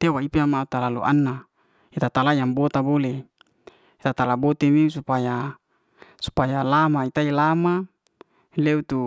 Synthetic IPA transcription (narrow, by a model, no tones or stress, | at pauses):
t̪ewaipeamaut̪alalṵʔa̰nːa | it̪at̪alajaŋbot̪abole | it̪at̪alabot̪emisupaja | su̥pajalamait̪ailama | leut̪u